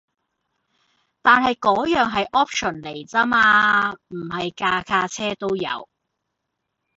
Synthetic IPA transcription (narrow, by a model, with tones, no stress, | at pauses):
t̪aː˨nhɐ˨jkɔː˨˥jœː˨˩ŋɦɐ˨jʔɔː˥p̚ʃʰɔ˨˩nle˨˩jt͡sɐ˥maː˧m̩˨˩hɐ˨jkaː˧kʰaː˧t͡sʰɛː˥t̪o˥wjɐ̰˨˧w